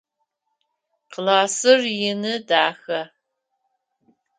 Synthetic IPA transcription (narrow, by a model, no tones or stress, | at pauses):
qlaːsɨrjɪnɨdaːxɐ